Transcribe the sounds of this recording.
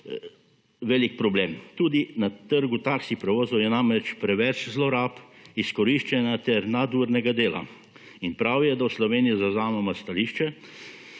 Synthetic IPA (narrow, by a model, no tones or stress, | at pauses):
ʋɛːlik̚pɾɔbleːmt̪uːd̪inat̪əɾɡut̪aksixpɾɛʋoːzɔwjɛnamɾɛt͡ʃpɾɛʋɛt͡ʃzlɔɾaːpiskɔɾiʃt͡ʃɛnat̪ɛɾnad̪uːɾnɛɡad̪eːla̰ | inpɾawjɛd̪awslɔʋeːnijɔzazaːmɔmast̪aliːʃt͡ʃɛ